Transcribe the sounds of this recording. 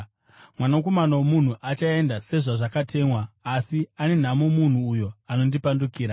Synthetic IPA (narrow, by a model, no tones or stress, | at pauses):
mwanako̞manawomun̤uʔat͡ʃae̞ndase̞ʐaʐakatʰe̞mwaːsiane̞n̤amo̞mun̤uːjo̞ano̞ndipandukiːɾa